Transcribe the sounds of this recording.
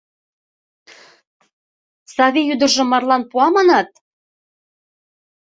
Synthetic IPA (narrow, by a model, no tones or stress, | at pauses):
sɑβijyd̪ɤ̆rʒɤ̆mɑrlɑnpuɑmɑnɑt̪̚